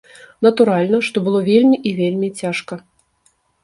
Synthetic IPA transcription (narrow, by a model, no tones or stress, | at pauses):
nɐt̪uɾalʲnɐʂt̪ɔbɨlˠɔvʲelʲmʲiʔivʲelʲmʲit͡sʲaʂkɐ